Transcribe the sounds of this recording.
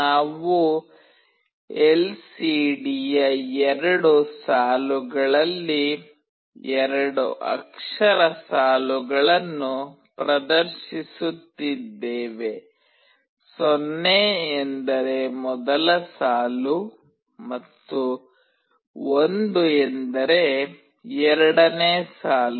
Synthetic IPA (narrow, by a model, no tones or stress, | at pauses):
naːʋu | elsiːɖijɐɛɾɐɽusaːluɡɐɭɐlːi | ɛɾɐɽṵʔɐ̰kʂɐɾɐsaːluɡɐɭɐnːu | pɾɐd̪ɐɾʃisut̪ːid̪ːeːʋe̞ | sonːeːnd̪ɐɾe̞mɔd̪ɐlɐsaːlu | mɐt̪ːu | ond̪uend̪ɐɾe | ɛɾɐɽɐneːsaːlu